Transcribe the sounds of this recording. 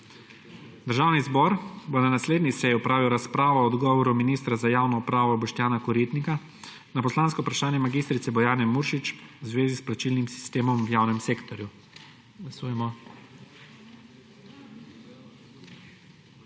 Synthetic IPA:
d̪əɾʒaːwnizbɔɾbonanasleːd̪nisɛjɔpɾaːʋiwɾaspɾaːʋɔːd̪ɡɔːʋɔɾuminiːst̪ɾazajaːwnɔupɾaːʋɔːbɛʃt̪jaːnakɔɾit̪nika | napɔslaːnskɔpɾaʃaːnjɛmaɡist̪ɾit̪sɛbɔjaːnɛmuːɾʃit͡ʃwzʋeːzisplat͡ʃilnimsi̥st̪eːmɔmwjaːwnɛmseːkt̪ɔɾju | ɡlasuːjɛmɔ

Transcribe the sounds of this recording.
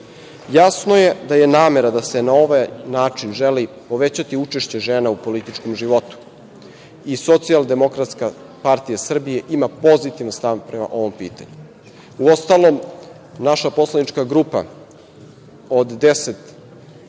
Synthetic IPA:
jasno̞je̞d̪aje̞naːme̞ɾad̪ase̞nao̞ʋajnaːt͡ʂinʒeli | po̞ʋet͡ɕat̪iut͡ʃeʃt͡ɕe̞ʒeːnaupo̞lit̪it͡ʃkomʒiʋo̞t̪u̥ | iso̞t̪siald̪e̞mo̞kɾat̪ska | paɾt̪ijasr̩bije̞ʔimapo̞zit̪iʋanst̪aʋpɾema̰ʔo̞ʋo̞mpḭːt̪a̰ɲu | uo̞st̪alom | naʃapo̞slˠanit͡ʃkaɡɾupa̰ | od̪ːeset̪

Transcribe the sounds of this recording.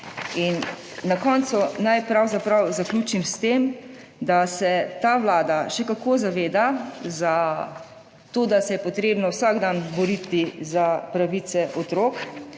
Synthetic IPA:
inː | akɔːnt̪sunajpɾawzapɾawzaklʲuːt͡ʃimst̪eːm | d̪asɛt̪aːʋlaːd̪aʃɛkakoːzaʋeːd̪aza | t̪oːd̪asɛjɛpɔt̪ɾeːbnɔwsaɡd̪anbɔɾit̪izapɾaʋit̪sɛʔɔt̪ɾoːk

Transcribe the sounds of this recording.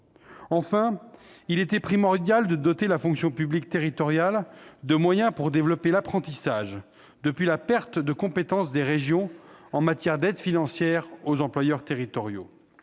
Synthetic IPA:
ɑ̃fɛ̃ilet̪ɛpχimɔʁd̪jald̪əd̪ɔt̪elafɔ̃ksjɔ̃pyblik̚t̪eʁit̪ɔʁjald̪əmwajɛ̃puʁd̪evlɔpelapχɑ̃t̪isaʒ | d̪əpɥilapɛʁt̪d̪əkɔ̃pet̪ɑ̃sd̪eʁeʒjɔ̃ɑ̃mat̪jɛʁd̪ɛd̪finɑ̃sjɛʁozɑ̃plwajœʁt̪eʁit̪ɔʁjo̰

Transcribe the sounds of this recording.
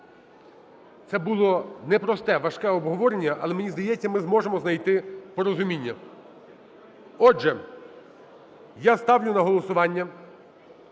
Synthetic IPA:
t̪sɛbʊlˠɔnɛpɾɔst̪ɛʋɐʃkɛɔbɦɔʋɔɾenʲːɐʔɐlˠɛmenʲizd̪ɐjɛt͡sʲːɐmɪzmɔʒemɔznɐjt̪ɪpɔɾɔzʊmʲinʲːɐ | ɔʒɛ | jast̪ɑwnʲʊnɐɦɔlˠɔsʊʋɑnʲːɐ

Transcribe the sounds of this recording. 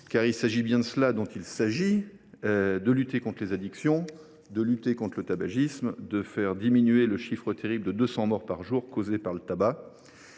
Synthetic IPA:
kaʁilsaʒibjɛ̃d̪əslad̪ɔ̃t̪ilsaʒi | ød̪əlyt̪ekɔ̃t̪χlezad̪iksjɔ̃ | d̪əlyt̪ekɔ̃t̪χlət̪abaʒismd̪əfɛʁd̪iminyeləʃifχət̪eʁibld̪əd̪øsɑ̃mɔʁpaʁʒuʁkozepaʁlət̪aba

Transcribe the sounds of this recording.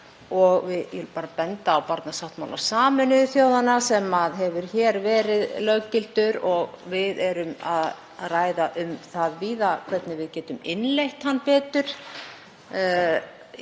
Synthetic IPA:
ɔɣvɪðjɛlpaːɾapɛnt̪aːwpaɾt̪nasawht̪maːwla̰saːmʏnʏθjoːwðanasɛmaðɦɛvʏɾ̥çɛɾvɛːɾɪðlœcɪlt̪ʏɾɔɣvɪðɛɾʏmað | raːjðaʔʏmθaðviːðakʰvɛt̪nɪvɪðcɛːt̪ʏmɪnlejht̪hanːpɛːt̪ʏɾ̥

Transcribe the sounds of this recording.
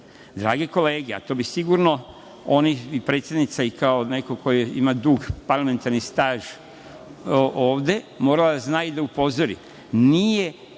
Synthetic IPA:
d̪ɾaːɡeko̞leːɡea̰t̪o̞ːbisiɡuɾno̞ | oniipɾe̞t̪sjed̪nit̪saikao̞ne̞kokʰo̞jeḭmad̪uɡpaɾlˠame̞nt̪aɾnist̪aːʒ | ʔoːʋd̪e̞mo̞ːɾalad̪aznaːjid̪aupo̞zoɾḭ | nije

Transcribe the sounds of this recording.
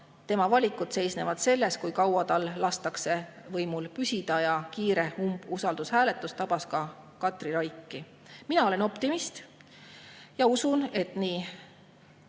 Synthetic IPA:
t̪e̞mɑvɑlʲikud̪̥se̞jsne̞vɑd̪̥se̞lːe̞skujkɑwɑd̪ɑlːɑst̪ɑkse̞vɤjmulpysʲid̪̥ɑjɑkiːɾe̞umbusɑld̪ushæːlet̪ˑːust̪ɑb̥ɑskɑ | kɑt̪ˑriɾɑjkːˑi | minɑo̞le̞no̞pt̪imist̪ | jɑusune̞t̪niː

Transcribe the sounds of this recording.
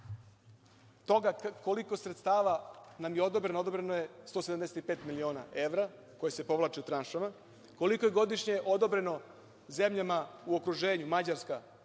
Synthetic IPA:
t̪o̞ɡako̞liko̞sɾet̪st̪aːʋanamjeo̞d̪obɾenood̪o̞bɾenoje̞st̪oːseamd̪e̞set̪ipe̞ːt̪milio̞ːna̰ʔe̞ʋɾa | ko̞jese̞po̞ʋlˠat͡ʃeut̪ɾanʃama | ko̞likoje̞ɡo̞d̪iʃɲeʔo̞d̪o̞bɾe̞no̞ | ze̞mʎamauokɾuʒeːɲumad͡ʑaɾska

